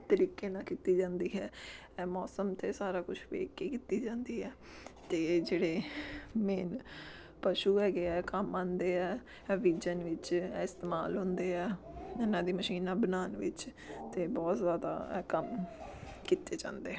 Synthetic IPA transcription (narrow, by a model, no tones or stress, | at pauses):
t̪əɾiːkeːnãːkiːt̪iːd͡ʒãːnd̪iːɦɛː | mɔːsəmt̪ʰeːsaːɾaːkʊt͡ʃʰʋḛːkːeːkiːt̪iːd͡ʒãːnd̪iːɦɛː | t̪eːd͡ʒeːɽeːmeːn | pəʃuːɛːɡeːɛːkəmãːnd̪eːɛː | ʋiːd͡ʒənʋɪt͡ʃːɪst̪eːma̰ːlɦʊ̃ːnd̪eːɦɛːɪnãːd̪iːməʃiːnãːbənaːnʋɪ̰t͡ʃ | t̪eːbɔːt̪zjaːd̪a̰ːkəm | kiːt̪eːd͡ʒã̰ːnd̪eːɦɛ